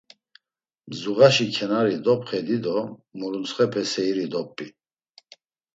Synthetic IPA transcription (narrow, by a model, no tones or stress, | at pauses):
mzuʁaʃikʰɛnaɾid̪ɔpʰχɛd̪id̪ɔmuɾunt͡sχɛpʰɛsɛiɾid̪ɔpʼːi